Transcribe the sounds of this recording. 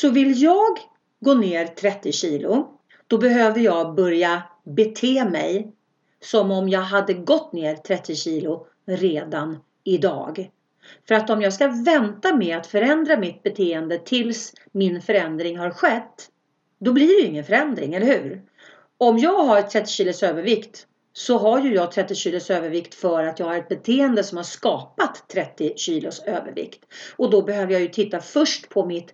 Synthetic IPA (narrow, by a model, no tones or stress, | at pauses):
sɔvɪljɑːɡ | ɡoːneːɾt̪ʰɾɛt̪ːɪɕiːlʊ | d̪̥ɔbɛɦøːvəɾjɑːɡbœɾjabɛt̪ʰeːmɛj | sɔmɔmjɑːɡɦad̪ːəɡɔt̪ːneːɾt̪ʰɾɛt̪ːɪɕiːlʊ | ɾeːd̪an | ɪd̪ɑ̰ːɡ | fœɾat̪ɔmjɑːɡskavɛnt̪amɛat̪fœɾɛnd̪ɾamɪt̪̚bɛt̪ʰeːənd̪ət̪ʰɪls | mɪnfœɾɛnd̪ɾɪŋɦaɾɧɛt̪ː | d̪ɔbliɖɛjɪŋːənfœɾɛnd̪ɾɪŋɛlːəɾhʉ̟ːɾ | ɔmjɑːɡɦaɾɛt̪ʰɾɛt̪ːɪɕiːlʊsøːvəɾvɪkt̪ | sɔɦajɵjɑːɡ̚t̪ʰɾɛt̪ːɪɕiːlʊsøːvəɾvɪkt̪fœɾat̪jɑːɡhaɾɛt̪̚bɛt̪ʰeːənd̪əsɔmhaʂkɑːpat̪ʰːɾɛt̪ːɪɕiːlʊsøːvə̰ɾvɪ̰kt̪ɔd̪ɔbɛɦøːvəɾjajɵt̪ʰɪt̪ːafœʂʈpʰɔmɪt̪